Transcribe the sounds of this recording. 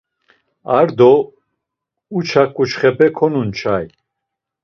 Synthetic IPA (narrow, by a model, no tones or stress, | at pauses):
aɾd̪ɔ | ut͡ʃʰakʼːut͡ʃχɛpʰɛkʰɔnunt͡ʃʰaj